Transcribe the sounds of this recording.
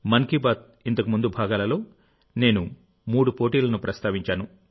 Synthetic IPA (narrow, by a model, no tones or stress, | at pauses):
mɐŋkibaːt̪̚ | int̪ɐkumund̪ubʱaːɡaːlɐlo̞ː | ne̞ːnu | muːɽupo̞ːʈiːlɐnupɾɐst̪aːʋiɲt͡ʃaːnu